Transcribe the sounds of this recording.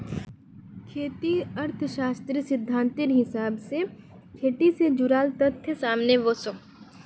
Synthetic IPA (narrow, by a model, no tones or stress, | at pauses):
kʰeːt̪iɐɾt̪ʰʃaːst̪ɾisɪd̪ʱːaːnt̪ɪnɦɪsaːbse | kʰeːʈised͡ʒʊɾaːlt̪ət̪ʰːjsaːmneʋoːsõ